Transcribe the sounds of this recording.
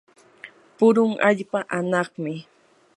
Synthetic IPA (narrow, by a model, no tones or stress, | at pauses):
pʊɾʊŋaʎpaʔanɑχmɪ